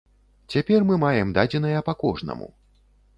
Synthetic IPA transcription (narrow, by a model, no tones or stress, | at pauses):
t͡sʲapʲɛrmɨmajɛmd̪ad͡zʲɛn̪ɐjɐpakɔʐnɐ̰mṵ